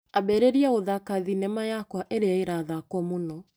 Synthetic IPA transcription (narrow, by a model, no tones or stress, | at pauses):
abɛɾeɾiaoðakaðinɛmajakwaʔeɾeaeɾaðakwɔmonɔ